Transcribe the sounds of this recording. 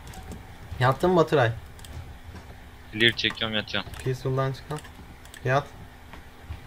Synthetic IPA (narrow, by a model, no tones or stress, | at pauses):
jap̚t̪ʰːɯmbat̪ʰɯɾaj | elʲiɾt͡ʃʰekʰːamjat̪t͡ʃanpʰisulˠd̪ant͡ʃʰɯ̥kʰan | fijat̪